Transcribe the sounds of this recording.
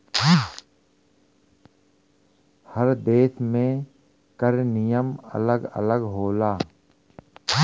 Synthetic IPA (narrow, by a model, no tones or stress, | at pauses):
həɾd̪eːsmẽ | kəɾnɪjəmə̰ləɡə̰ləɡɦoːlaː